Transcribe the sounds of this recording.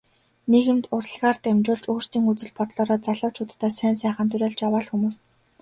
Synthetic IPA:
neɣɘ̆mt̪ʊr̆ɮʁaːrt̪æmt͡ɕʊːɮt͡ɕuːr̥st̪iːŋut͡sɘ̆ɮpɔt̪ɮɔːɾɔːt͡saɮʊːt͡ɕʰʊːt̪t̪ːæːsæːnsæːχə̆nt̪ʰɵɾʲæːɮt͡ɕjawaːɮxumuːs

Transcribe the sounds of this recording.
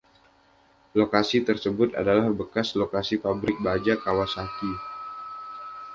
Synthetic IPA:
lokasit̪ərsəbʊt̪a̰dalahbəkaslokasipabɾɪk̚bad͡ʒakawasaki

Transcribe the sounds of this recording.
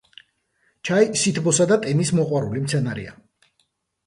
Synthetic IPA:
t͡ʃʰajsit̪ʰbɔsad̪at̪ʼɛnismɔqʼwaɾulimt̪sʰɛnaɾḭa̰

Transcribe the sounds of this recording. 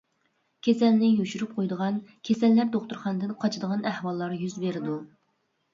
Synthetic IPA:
kʲʰesɛlnɪjyʃyɾyp̚qʰojd̪əʁɑnkʲʰesɛlːæɾd̪oχt̪uɾχɑnd̪ɨnqʰɑt͡ʃʰɪd̪əʁɑnæhwɑlˠːɑɾjyzbeɾɪd̪u

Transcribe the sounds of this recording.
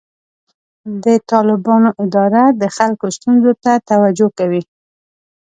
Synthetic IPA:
d̪ət̪ɑlɪbɑnoʔɪd̪ɑɾad̪əxalkost̪unzot̪at̪awad͡ʒokawi

